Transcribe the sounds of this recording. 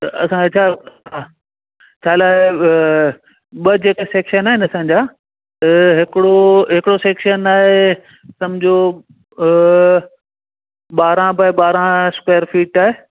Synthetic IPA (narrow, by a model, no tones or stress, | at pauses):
ɐɐsãet͡ɕʰaaː | t͡ɕʰaːlaːɦe | ɓɐd͡ʑeːkeseːkʃənaːɦɪnɐsãːɲ̆d͡ʑaː | ɦɪkɪɽoɦɪkɪɽoseːkʃənaːɦe | sɐmd͡ʑʱo | ɓaːɾãbɐɓaːɾãskweːəɾfiːʈaːɦeː